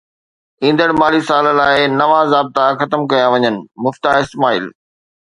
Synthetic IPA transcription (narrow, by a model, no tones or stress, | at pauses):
ĩːnd̪əɽmaːlisaːllaːɪnɐʋãːzaːb̚t̪axɐt̪əmkɐjaʋɐɲənɪ̆mʊft̪aɦɪst̪maːḭːl